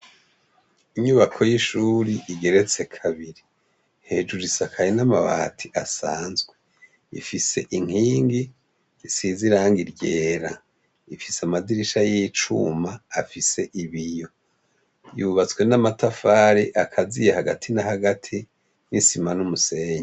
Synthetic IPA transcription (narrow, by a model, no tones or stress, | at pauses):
iɲuβakʰo̞jiʃuːɾiʔiɡe̞ɾet͡se̞kʰaβiɾi | he̞ːd͡ʒuɾisakʰajinamaβa̰tʰiʔasaːnzɡwe | ḭfise̞ʔiŋ̥iːŋɡi | isiziɾaːŋɡiɾɟeːɾa | ifisamadiɾiʃajit͡ʃṵmaːfise̞ʔiβijo̞ | juβat͡swe̞namatafaːɾiʔakʰazijehaɡatʰinahaɡatʰi | nisimanumuse̞ːɲa